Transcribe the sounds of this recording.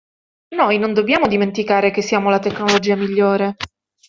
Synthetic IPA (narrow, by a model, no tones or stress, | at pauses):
nojnond̪objaːmod̪iment̪ikaːɾekesːiaːmolat̪ekːnolod͡ʒiːamiʎːoːɾe